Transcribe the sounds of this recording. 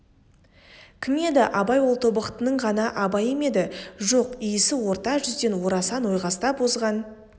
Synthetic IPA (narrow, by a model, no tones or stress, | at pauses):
kʲʰɪmed̪ɪʔɑbɑjwo̞lˠt̪ʰo̞bəqt̪ənəɴʁɑnɑʔɑbɑjeme̞d̪ɪʒo̞qijɪsɪwo̞ɾt̪ɑʒʏzd̪e̞nwo̞ɾɑsɑnwo̞jʁɑst̪ɑpbozʁɑn